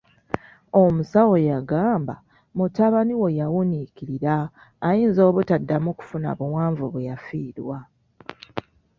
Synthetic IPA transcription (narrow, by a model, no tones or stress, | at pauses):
omusawojaɡaːmba̰ | mutaβaniwojawunikiɾiɾaː | jiːnzo̞ːβutadːamuku̥funa̰βuwaːɱvuβejafiːɾwa